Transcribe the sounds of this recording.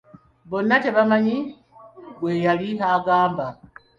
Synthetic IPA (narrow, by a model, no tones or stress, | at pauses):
βonateβamaɲi | ɡweːjalihaɡaːmba